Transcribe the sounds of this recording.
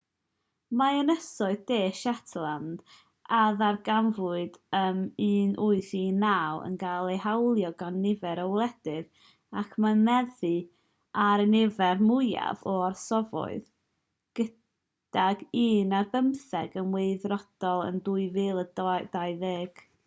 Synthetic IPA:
maənəsɔɨðdeːʃatʰlˠand̥ | aðarɡanvʊɨdəmiːnʔuɨθinawə̰nɡalˠejhawlˠjɔɡanːɪvɛɾəwlˠɛd̥ɨð | akʰmamɛðɨ | aɾənɪvɛrmʊja̰vɔarsɔvɔ̰ɨð | ɡ̥ə | d̥aɡiːnarbəmsɛɡənweɨðrɔd̥ɔlˠə̰nduːɨvɨːlˠəd̥ajðeːɡ̥

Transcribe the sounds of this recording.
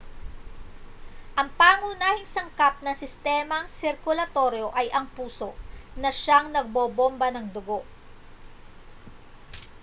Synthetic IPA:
ʔɐŋpaːŋuːnaːhɪŋsɐŋkap̚nɐŋsɪst̪ɛːmɐŋsɪɾkʊlɐt̪o̞ɾjo̞ʔɐjʔɐŋpuːso̞ʔnɐʃaŋnɐɡ̚boːbombɐnɐŋd̪ʊɡo̞ʔ

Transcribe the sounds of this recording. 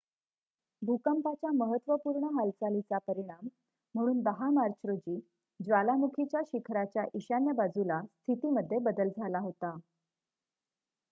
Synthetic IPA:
bʱukəmpat͡ɕjaməɦət̪ːʋəpuːɾɳəɦalt͡salit͡sapəɾiɽ̃am̤ː | əɽ̃uːnb̪əɦamaɾt͡ɕʰɾod͡ʑiː | d͡zʋalamukʰit͡ɕjaɕikʰɾat͡ɕjaʔiɕanjəbad͡zulast̪ʰit̪iməd̪ʱːjebəd̪əld͡zʱalaɦot̪a

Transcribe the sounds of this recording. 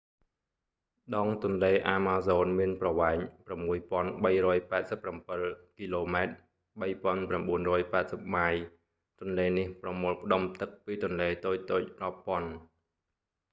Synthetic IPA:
ɗɑːŋt̪ʊ̆ənleːʔaːmaːzoːnmiənprɑʋaɛɲpramːuəjpŏənɓəjrɔːjpaɛt̪̚səpːrampɨlkiːloːmaɛt̪̚ | ɓəjpŏənpramɓuənrɔːjpaɛt̪̚səp̚maːj | t̪ʊ̆ənleːnihprɑmoːlpə̆ɗomt̪ɨk̚piːt̪ʊ̆ənleːt̪oːc̚t̪oːc̚rŏpːŏən

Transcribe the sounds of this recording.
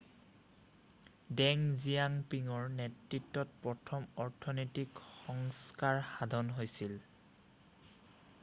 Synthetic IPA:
dɛŋzijaŋpiŋɔɹnɛtɹitːɔt̚pɹɔtʰɔmɔɹtʰɔnetikxɔŋskaɹxadʱɔnɦojsil

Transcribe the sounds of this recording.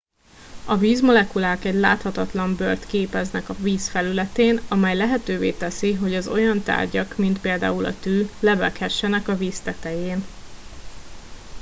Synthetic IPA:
ɒviːzmo̞lɛkulaːkɛɟla̰ːt̪hɒt̪ɒt̪lɒmbørt̪keːpɛznɛkɒviːsfɛlylɛt̪eːnɒmɛjlɛɦɛt̪øːveːt̪ɛsiɦo̞ɟɒzo̞jɒnt̪a̰ːrɟɒkmint̪peːld̪a̰ːulɒ̰t̪yːlɛvɛkhɛʃːɛnɛkɒviːst̪ɛt̪ɛjeːn

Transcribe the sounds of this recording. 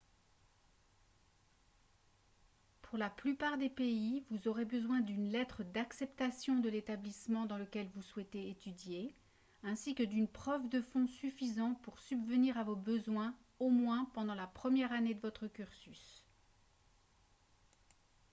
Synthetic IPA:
pʰuʁlaplypaʁd̪epeivuzɔʁebəzwɛ̃d̪ynlɛt̪χəd̪aksɛpt̪asjɔ̃d̪əlet̪ablismɑ̃d̪ɑ̃ləkʲɛlvuswɛt̪eet̪yd̪je | ɛ̃sikəd̪ynpχœvd̪əfɔ̃syfizɑ̃puʁsybvəniʁavobəzwɛ̃ | omwɛ̃pɑ̃d̪ɑ̃lapχəmjɛʁaned̪əvɔt̪χəkʲyʁsys

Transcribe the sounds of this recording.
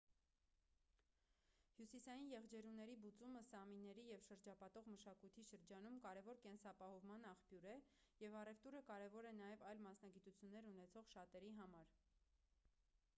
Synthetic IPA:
hjusisɑjinjɛʁd͡ʒɛɾunːɛɾibut͡suməsɑminːɛɾijɛvʃəɾd͡ʒɑpɑt̪ɔʁməʃɑkujt̪ʰiʃəɾd͡ʒɑn̪umkɑɾɛvɔɾkɛnsɑpɑhɔvmɑnɑχpjuɾɛjɛvɑrɛvt̪uɾəkɑɾɛvɔɾɛnɑjɛvɑjlmɑsnɑɡit̪ut͡sʰjunːɛɾunɛt͡sʰɔʁʃɑt̪ɛɾiɦɑmɑɾ

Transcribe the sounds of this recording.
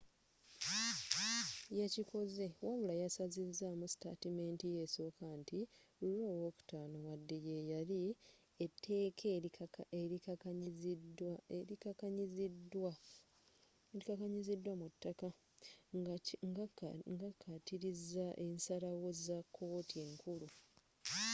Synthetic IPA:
jacikʰo̞ze̞waβulajasazizːamusi̥ta̰time̞ntije̞so̞ːkantiulo̞ːwoːku̥taːnowadːeje̞jali | etʰːe̞ːkʰeeɾikaɲizweɾikakaɲizidwa | eɾikakaɲizidːwamutːaka | ŋɡakʰːatiɾizaʔe̞nsalawo̞zakʰːo̞ːtʰie̞ŋkulu

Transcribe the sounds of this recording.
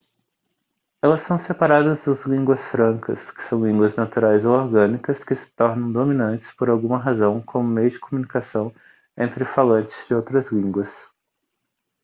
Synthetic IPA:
ɛlɐsːɐ̃w̃sepaɾad̪ɐzd̪ɐzlĩŋɡwɐsfɾɐ̃ŋkɐ̰skɪ̥sɐ̃w̃lĩŋɡwɐznat̪uɾajzowoɾɡɐ̃nikɐskɪsɪ̥t̪ɔɾnɐ̃w̃d̪omĩnɐ̃nt͡ʃɪ̥spoɾawɡũmɐɦazɐ̃w̃kʰõmʊmejʊd͡ʒɪkʰomunikasɐ̃w̃ | ẽnt̪ɾɪfalɐ̃nt͡ʃɪ̥z̥d͡ʒɪowt̪ɾɐzlĩŋɡwɐs

